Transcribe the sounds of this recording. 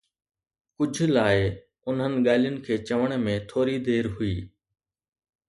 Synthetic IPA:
kʊd͡ʑʱlaːɪ | ʊnɦənɪ̆ɠaːlɪjʊnɪ̆kʰeːt͡ɕɐʋəɽ̃mẽt̪ʰoːɾid̪eːɾɦʊiː

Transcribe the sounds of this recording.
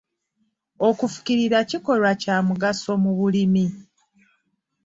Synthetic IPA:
o̞kufu̥ciɾiɾaciko̞lwacaːmuɡaso̞muβulimi

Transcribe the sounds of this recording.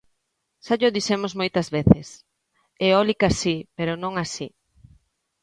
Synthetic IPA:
ʃaʎoðisemozmojt̪ɐzβeθɪs | eɔlikasipeɾonõŋasi

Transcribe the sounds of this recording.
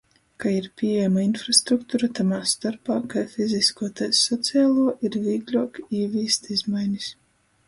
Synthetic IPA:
kaiɾpʲiɛɛjamainfɾast̪ɾukt̪uɾat̪amaːst̪aɾpaːkajfizʲiskuɔt̪ajsɔt̪siaːlˠuɔʔiɾvʲiːɡlʲuɔkiːvʲiːst̪izmajnʲis

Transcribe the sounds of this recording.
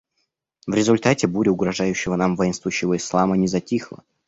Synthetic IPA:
vɾʲɪzʊlʲt̪atʲɪbuɾʲɪʊɡɾɐʐajʉɕːɪvənamvɐinst̪vʊɕːɪvəɪslˠamənʲɪzɐtʲixlˠə̰

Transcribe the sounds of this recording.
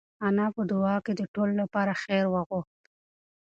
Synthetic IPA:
anɑpəd̪ʊɑked̪əʈololapɑɾaxeɾwəɣʊxt̪

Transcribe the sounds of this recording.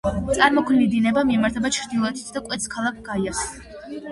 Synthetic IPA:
t̪sʼaɾmɔkʰnid̪inɛbamimaɾt̪ʰɛbat͡ʃʰɾd̪ilˠɔɛt̪ʰi̥t̪ʰd̪akʼwɛt̪sʰkʰalˠakʰɡ̥aiaks

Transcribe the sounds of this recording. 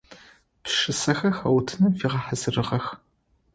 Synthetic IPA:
pʂɨsɐxɐxɐwtʰɨnɐfiːʁɐħazɨrɨʁɐx

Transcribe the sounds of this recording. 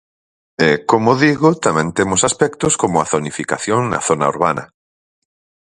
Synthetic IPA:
ɛkomʊðiɣʊt̪amɛ̃nt̪emʊsaspɛkt̪ʊskomʊaθonifika̰θjoŋnɐ̰θona̰ṵɾβanɐ̰

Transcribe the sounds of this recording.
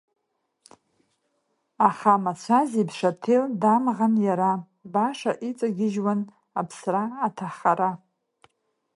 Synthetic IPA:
aχamat͡ɕʷʰazibʂatʰeldamʁanjaɾa | baʂaʔit͡sʼaɡʲɪʒwan | apʰsraːtʰaχaɾa

